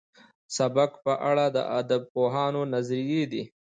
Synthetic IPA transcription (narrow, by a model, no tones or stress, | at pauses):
sabakpəʔaɽad̪ə̰ʔad̪ab̚poɦɑnonazɾijed̪i